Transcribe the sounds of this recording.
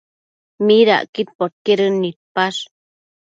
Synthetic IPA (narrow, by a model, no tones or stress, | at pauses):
miɾa̰ʔkit̪̚poɾ̚keɾənːit̪̚paʂ